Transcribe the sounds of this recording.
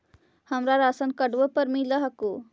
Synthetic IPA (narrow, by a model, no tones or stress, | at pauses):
həmɾaɾasənkəɖʋəpəɾmiləɦəku